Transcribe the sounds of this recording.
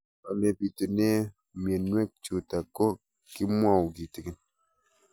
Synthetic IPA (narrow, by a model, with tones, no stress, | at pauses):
a˨le˨pi˨tu˨ne˦ | mje˨nːwe˦˨k̚t͡ʃu˨ta˨ko˦ | ki˦mwa˦˨wɡi˨ti˨ki˦n